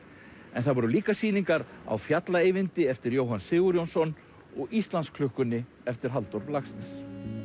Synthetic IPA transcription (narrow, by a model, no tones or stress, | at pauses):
ɛ̰nθavɔɾʏliːkasiːniŋkaɾa̰wfjat̪laeːjvɪnt̪ɪɛft̪ɪɾjoːwɦansɪːɣuɾjownsɔn | ɔɣist̪lanskʰlʏhkʏnːɪ | ɛft̪ɪɾ̥ɦalt̪ɔɾlaxst̪nɪs